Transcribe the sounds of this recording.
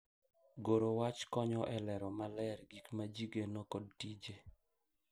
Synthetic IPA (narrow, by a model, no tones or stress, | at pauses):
ɡoɾowat͡ʃkɔɲɔʔɛlɛɾɔmalɛrɡikmad͡ʒiɡenɔkod̚tid͡ʒe